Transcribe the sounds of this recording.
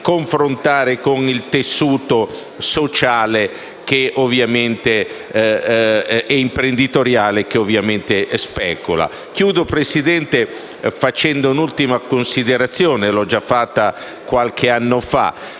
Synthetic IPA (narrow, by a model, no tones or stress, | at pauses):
koɱfɾont̪aːɾekonilt̪esːuːt̪o | sot͡ʃaːle | k̟eovjament̪e | ɛimpɾend̪it̪oɾjaːlek̟eovːjament̪espɛːkula̰ | k̟juːd̪opɾesid̪ɛnt̪e | fat͡ʃɛnd̪ounult̪imakonsid̪eɾat̪sːjoːnelɔd͡ʒafːat̪ːa | kwalkʰeanːofa̰